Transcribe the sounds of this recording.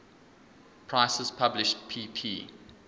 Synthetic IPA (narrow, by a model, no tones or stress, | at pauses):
pʰɹ̥aɪsəz̥pʰablɪʃt̚pʰiːpʰiː